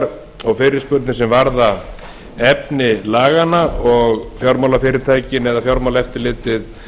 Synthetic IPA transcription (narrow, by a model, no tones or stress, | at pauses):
ɾ | ɔɣfɪːɾɪ̥spʏɾt̪nɪsɛmvaɾða | ɛpnɪlaːɣanaɔɣfjɔwɾmawlafɪːɾɪɾt̪ʰaːjcɪnɛðafjɔɾmawlaɛft̪ɪɾlɪːt̪ɪð